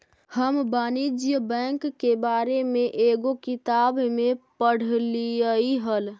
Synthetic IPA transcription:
həmbaːnid͡ʒjəbɛ̃ːŋkːebaːɾemẽʔeːɡokɪt̪aːbmẽpəɽ̤liəiɦəl

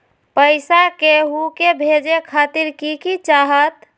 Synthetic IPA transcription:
pəɪsakeɦukebʱed͡ʒekʰat̪iɾkikit͡ʃaɦət̪

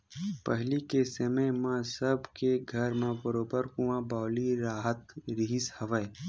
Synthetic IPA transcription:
pəɦlikesememãsəbkeɡʱɐɾmãbəɾoːbəɾkũwãːbaːliɾaːɦət̪ɾiɦishɐʋəe

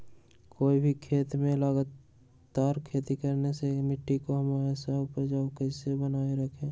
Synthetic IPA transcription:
koːibʱikʰeːt̪mẽləɡat̪ː | aːɾkʰeːt̪ikəɾnesemɪʈːikoɦəmaːɾesapəɾd͡ʒaːokəɪsebənaːeɾəkʰe

